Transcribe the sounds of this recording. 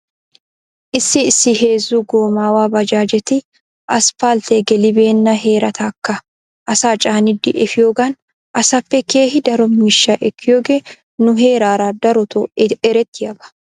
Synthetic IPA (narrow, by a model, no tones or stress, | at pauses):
ʔɪsːɪɪsːɪɦe̞ːzːuːɡoːmaːwaːbɐd͡ʒaːd͡ʒɛt̪ɪ | ʔɐspalt̪eɡɛlɪbe̞ːnːɐɦe̞ːɾɐt̪ɐkːɐ | ʔɐsaːt͡ʃʼaːnɪd̪ɪ̰ʔɛfɪjoːɡɐn | ʔɐsɐfːɛkeːhɪd̪ɐɾɔmɪʃːaʔɛkːɪjoːɡɛ | nʊɦe̞ːɾaːɾaːd̪ɐɾɔt̪ɔɛɾɛt̪ːɪɐbɐ̥